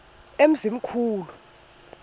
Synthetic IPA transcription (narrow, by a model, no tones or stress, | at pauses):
em̩zim̩kʰuːlu